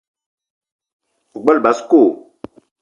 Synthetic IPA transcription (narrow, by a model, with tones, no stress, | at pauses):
u˨ɡ͡ba˦lba˨˦sko˦˨